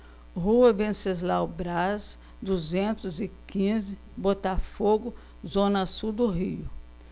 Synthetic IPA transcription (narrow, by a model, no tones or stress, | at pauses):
ɦuɐvẽsezlawbɾas | d̪uzẽnt̪ʊzɪkĩzɪ | bot̪afoɡʊ | zõnɐsud̪ʊɦiʊ